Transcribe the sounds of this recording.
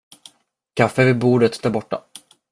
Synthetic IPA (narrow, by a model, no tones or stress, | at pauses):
kʰafːəvɪbuːɖət̪d̪̥æɾbɔʈːa̰